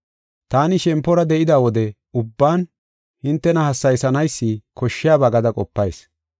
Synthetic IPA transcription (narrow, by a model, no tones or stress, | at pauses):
t̪aːnɪʃɛmpːɔɾɐd̪ɛʔɪd̪aːwɔd̪ɛ | ʊbːaːn | hɪnt̪ːɛnɐhɐsːɐjsɐnɐjsːikʰɔʃːɪjaːbaɡɐd̪ɐkʼɔpːɐjs